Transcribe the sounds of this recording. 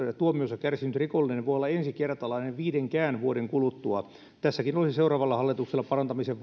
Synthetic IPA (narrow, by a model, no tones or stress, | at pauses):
t̪uomiosːɑkærsinyt̪rikolːinenʋojolːɑensikert̪ɑlɑineʋʋiːdeŋkæːnʋuodeŋkulut̪ːuɑ | t̪æsːækinolisiseurɑːʋɑlːɑhɑlːit̪ukselːɑpɑrɑnt̪ɑmiseʋ